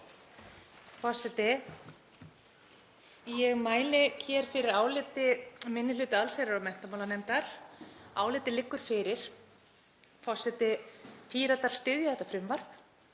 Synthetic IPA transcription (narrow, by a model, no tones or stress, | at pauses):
fɔsːɛt̪ɪ | jɛɣmaːjlɪcʰɛːɾ̥fɪɾɪɾaːwlɪːt̪ɪmɪnːɪlʏːt̪ɪalseɾɪɾamɛn̥t̪amaːwlanejmt̪aɾ̥a̰ːwlɪːt̪ɪlɪkːʏɾ̥fɪɾɪɾ̥ | fɔsːɛt̪ɪpʰiːɾat̪aɾ̥st̪ɪðjaðɛht̪ːafɾʏmːvar̥k